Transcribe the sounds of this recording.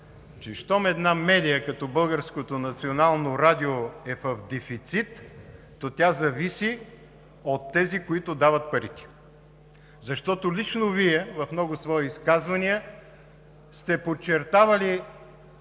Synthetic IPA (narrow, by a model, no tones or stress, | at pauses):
t͡ʃɛʃt̪ɔmɛd̪namɛd̪ʲijəkɐt̪ɔbɤlˠɡəɾskot̪onɐt̪sionalˠnoɾad̪ʲioɛfɐfd̪ɛfit̪sit̪ː | ot̪ʲjazɐvisi | ot̪ːɛzikoit̪od̪avɐt̪̚pɐɾit̪ʲi̥ | zɐʃt̪ɔt̪olit͡ʃnoviɛvɐfmnɔɡʊsvɔiiskazvɐniə | st̪ɛpot͡ʃːɛɾt̪avɐli